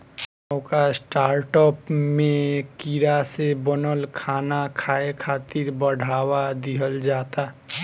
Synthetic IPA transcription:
wkasʈaːɾʈɔpmẽkiɾasebɔnɔlkʰaːnakʰaekʰaːt̪iɾbəɖʱaːwad̪iɦəld͡ʒat̪a

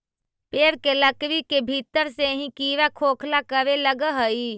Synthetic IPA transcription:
peːɾkeləkʋikebʱit̪əɾseɦĩkiːʋakʰoːkʰlakəɾeləɡəɦəi

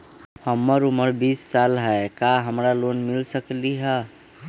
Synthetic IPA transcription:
həmːəɾuməɾbisːalɦɛekaɦəmɾalonmilsəkliɦə

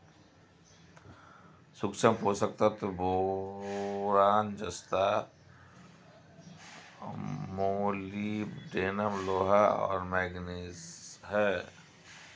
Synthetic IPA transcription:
sʊksəmpoːsək̚t̪at̪obɔ | ɾaːnd͡ʒəst̪a | moːliɖeːnəmloːɦaɔ̰ːɾmɛːɡniːsɦɛː

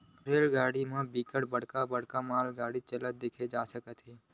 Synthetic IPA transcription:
pɾeːlɡaːɽimãbiːkəʈbəɽ̤kabəɽ̤kamaːlɡaːɽit͡ʃələt̪̚d̪ɪkʰed͡ʒaːsəkət̪ɦeː

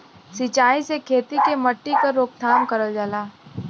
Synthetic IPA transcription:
sit͡ʃaːisekʰeːt̪ikemɐʈːikaɾoːk̚t̪ʰaːmkəɾəld͡ʒaːlaː

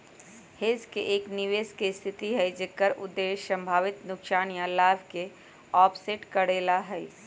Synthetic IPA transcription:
heːzkeʔeːkniʋeːskest̪ʰɪt̪iɦɛjd͡ʒekːəɾʊd̪ːeːʃsə̃mbʱaːʋɪt̪nʊkʃaːnijãlaːbʱke | ɔːpʰseʈkəɽeːlaɦɛi

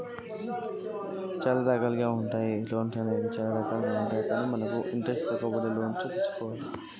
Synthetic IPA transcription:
t͡ʃaːlad̪aːkaːlɡaːuɳʈaːjiloːnsɐneːd̪it͡ʃaːlad̪aːkaːlɡaːuɳʈaːjikaːniːmɐnɐkuʔiɳʈɾesʈt̪ɐkɔːbɐɽeloːnsot̪it͡ʃːu̥kɔːʋaːli

